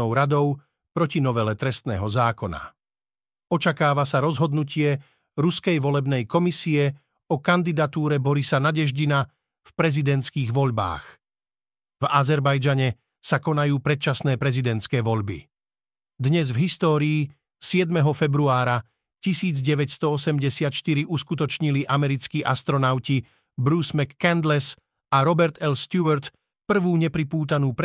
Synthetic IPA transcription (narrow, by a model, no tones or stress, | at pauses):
ɔʊɾad̪ɔʊ | pɾɔcinɔʋɛlɛt̪ɾɛst̪nɛ̰ːɦɔzaːkɔna̰ | ɔt͡ʃakaːʋasaɾɔzɦɔd̪nucɪɛ | ɾuskɛjʋɔlɛbnɛjkɔmisiɛ | ɔkand̪id̪at̪uːɾɛbɔɾisanaɟɛʒɟina | fpɾɛzid̪ɛnt̪t͡skiːɣʋɔʎba̰ːx | vazɛɾbajd͡ʒaɲɛ | sakɔnajuːpɾɛt̪̚t͡ʃasnɛːpɾɛzid̪ɛnt̪t͡skɛːʋɔʎbḭ | d̪ɲɛzvɦist̪ɔːɾiː | sɪɛd̪mɛɦɔfɛbɾuaːɾa | cisiːd͡zɟɛʋɛcst̪ɔɔsɛmɟɛsɪat̪ʃt̪iɾiʔuskut̪ɔt͡ʃɲiliʔamɛɾit͡skiːʔast̪ɾɔnaʊci | bɾuːsmɛkːɛnd̪lɛs | aɾɔbɛɾt̪ɛlst̪juʋɛɾt̪ | pr̩ʋuːɲɛpɾipuːt̪̬anuːp